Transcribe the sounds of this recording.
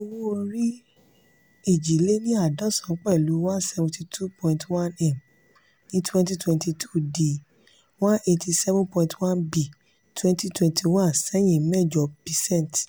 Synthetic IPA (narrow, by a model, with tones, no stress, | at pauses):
o˧wo˦o˧ɾi˦ | e˨d͡ʒi˨le˦nĩ˦a˦˨dã˦sã˨˦k͡pɛ˦˨lu˨˦wã˦sɛ˧vũ˧ti˧tʰu˦pɔ̃˧ĩntwã˦nɛ˨m | nĩ˦twɛ̃˦nti˦twɛ̃˧nti˧tʰu̥˦˨di˨ | wã˦ʔe˧ti˧sɛ˦vũ˦pɔ̃˧ĩ˧twã˦nbi˨ | twɛ̃˦nti˦twɛ̃˧ntʰi˧wã˦˨nsɛ˦j̃ĩ˨˦mɛ˦˨d͡ʒɔ˨bi˨sɛ̃˦˨nt